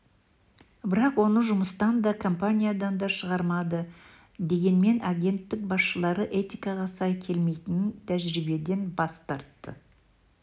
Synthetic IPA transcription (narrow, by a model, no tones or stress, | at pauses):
bɪɾɑqwo̞nəʒʊməst̪ɑnd̪ɑkʰo̞mpanʲijad̪ɑnd̪ɑʃəʁɑɾmɑd̪ə | d̪e̞ɡʲe̞nme̞naɡʲe̞nt̪ːɪk̚bɑsʃəlˠɑɾəʔe̞t̪ijkɑʁɑsɑjkʲʰe̞lme̞jt̪ɪnt̪ʰæʒɾibe̞d̪e̞nbɑst̪ɑɾt̪ːə̰